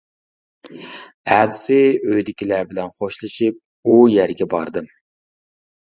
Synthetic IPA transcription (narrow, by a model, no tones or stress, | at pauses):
æːd̪ɪsɪøjd̪ɪkʲilæbɪlɛnχoʃlˠɨʃip̚ | ujæɾɡʲɛbɑɾd̪ɨm